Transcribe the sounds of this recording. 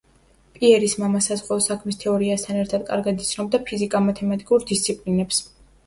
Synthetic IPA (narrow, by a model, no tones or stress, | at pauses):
pʼiɛɾismamasazʁwɛɔsakʰmist̪ʰɛɔɾiast̪ʰanɛɾt̪ʰad̪̥kʼa̰ɾɡad̪it̪sʰnɔbd̪apʰizikʼamat̪ʰɛmat̪ʼikʼuɾd̪ist̪sʰipʼlinɛps